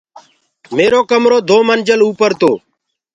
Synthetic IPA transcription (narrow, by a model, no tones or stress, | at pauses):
meːɾoːkəmɾoːd̪oːmənd͡ʒəluːpəɾt̪oː